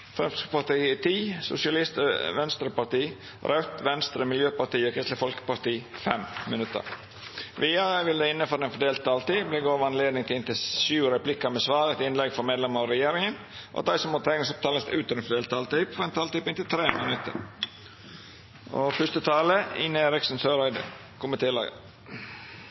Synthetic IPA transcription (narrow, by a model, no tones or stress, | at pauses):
fɾɛmst̪skpɑt̪iːt̪ʰiːsʊ̰sɪɑlɪst̪əʋɛnst̪ɾəpɑt̪iː | ɾʔœʉt̪ʋɛnst̪ɾəmɪljøːpɑt̪iːɔkʰɾɪst̪ləfɔlkə̥pɑt̪iːfɛmmənʉt̪ːə̰ɾ | ʋiɑəʋɪld̪ɛɪnːəfɔːɾɛnfɔɖ̪eːlt̪̚ɑːlt̪iːblɛɡoːʋɑnleːd̪nɪŋt̪ɪlɪnt̪ɪʃʉːɾɛplɪkɑmɛsʋɑːɾɛt̪ɪnlɛɡfɔɾmeːd̪lɛməɾɔɾɛjeːɾɪŋən | ʔɔ̰d̪æɪsɔmɔt̪ʰɛɪnɪsɔp̚t̪ʰɑːləst̪ʉːt̪əɾɛnfɔɖ̪eːlt̪ɑːlt̪iːpfɔɾɛnt̪ʰɑːlt̪iːpɪnt̪ɪlt̪ʰɾeːmənʉt̪ːə̰ɾ | o̰fʉst̪ət̪ʰɑːləiːnəeɾɪksnsøːɾæɪd̪ə̰ | kʰʊmɪt̪ʰeːlɑ̰ɡ̰